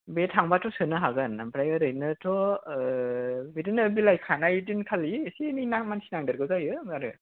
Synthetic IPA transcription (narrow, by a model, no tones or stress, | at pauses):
betʰaŋbatʰɔsɯnɯɦaɡɯnːampʰɾajɯɾɯjnɯtʰɔ | bidinɯbilajkʰanajdinkʰalisininaŋmansʰinaŋdɯɾɡɯzajɯŋaɾɯ̰